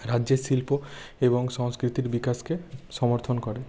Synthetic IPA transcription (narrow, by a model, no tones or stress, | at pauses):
ɾad͡ʑʑeʃilpoeboŋʃɔŋskɾit̪iɾbikaskeʃɔmoɾt̪ʰonkɔɾe